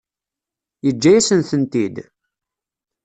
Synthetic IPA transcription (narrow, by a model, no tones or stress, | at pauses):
jəd͡ʒːæjæsənθənt̪id̪